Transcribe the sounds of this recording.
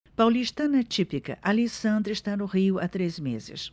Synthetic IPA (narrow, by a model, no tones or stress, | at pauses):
pawliʃt̪ɐnɐt͡ʃipikɐ̰ʔalisɐ̃nd̪ɾɪʃt̪anʊʁiʊat̪ɾezmezɪ̰s